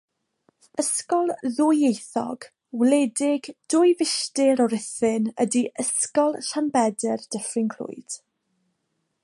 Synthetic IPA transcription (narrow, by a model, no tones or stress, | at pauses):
əskɔlˠðʊjejθɔ̰ɡ̥ | wlɛdɪɡd̥ʊjvɪʃtɪɾɔɾɪθɪnə̰diʔəskɔlˠɬanbɛdɪrd̥əfɪnkʰlʊ̰jd̥